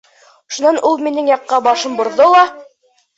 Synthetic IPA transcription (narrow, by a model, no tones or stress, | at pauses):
ʃunɑnʔulˠminɘŋjɑqːɑbɑʃɤmbŏɾðolˠɑ